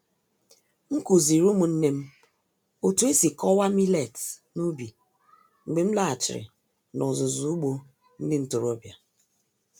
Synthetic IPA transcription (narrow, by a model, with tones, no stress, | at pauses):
ŋ̩˦ku˨zi˨ɾu˦mu˨n̩˦ne˦m̩˦ | o˨tu˨˦e˦si˨kɔ˦wa˦mi˦le˨tnu˦bi˨ | ŋ͡m̩˨ɡ͡be˨m̩˦la˦˨a˨t͡ʃɪ̰˨ɾɪ̰˨ | nɔ˨zʊ˨zu˨u˦ɡ͡bo˦ | n̩˦dɪ˦n̩˨tʊ˨ɾo˦bja˨